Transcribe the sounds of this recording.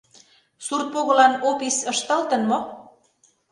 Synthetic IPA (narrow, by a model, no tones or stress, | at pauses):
surt̪̚poɣɤ̆lɑnopisəʃt̪əlt̪ə̆nmo